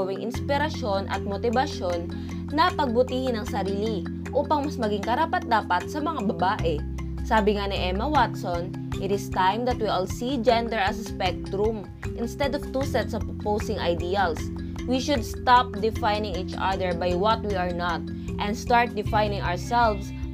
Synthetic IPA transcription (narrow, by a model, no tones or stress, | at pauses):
wɪŋʔɪnspɪɾɐʃonʔɐ̰t̪̚mot̪ɪbɐʃo̞nː | ɐpɐɡ̚bʊt̪iːhɪnɐŋsɐɾiːlɪ | ʔuːpɐŋmɐsmɐɡɪŋkɐɾapɐt̪̚d̪aːpɐt̪̚sɐmɐŋabɐbaːʔɛ | saːbɪŋanɪʔɛmɐwat̪son | ʔɪt̪ɪst̪ãjmd̪ɐt̪wiʔalsid͡ʒɛ̃nd̪ɛɹɐsspɛk̚t̪ɾʊm | ʔɪnst̪ɛd̪ɔvt̪usɛt̪sɐvpowsɪŋɐjd̪iːɐls | wiʃʊd̪st̪ap̚d̪ɪfajnɪ̃ŋit͡ʃa̰d̪ɛɹbajwɔt̪̚wiɐɹnat̪̚ | ʔɛnd̪st̪aɹt̪̚d̪ɪfajnɪŋʔaɹsɛlvs